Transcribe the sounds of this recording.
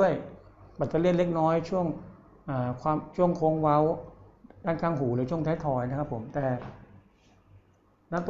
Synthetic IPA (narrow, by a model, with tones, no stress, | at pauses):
əjpa˨˩t̪̚t͡ɕːa˧˦le˥˩n̚le˦˥k̚nɔː˦˥jt͡ɕʰu˥˩əŋ | ʔaː˨˩kʰwaː˧mt͡ɕʰu˥˩əŋkʰoː˧˥ŋwa˦˥w | daː˥˩nkʰaː˥˩ŋɦuː˩˦lɤː˧jt͡ɕʰu˥˩əŋt̪ʰaː˦˥jt̪ʰɔː˧jna˦˥kʰa˦˥pʰːo˩˦mt̪ɛː˨˩ | na˦˥˩t̪